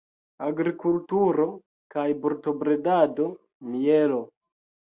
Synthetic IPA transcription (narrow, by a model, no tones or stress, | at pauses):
aɡɾikultuɾo | kajboɾto̞bɾe̞dado̞ | mijelo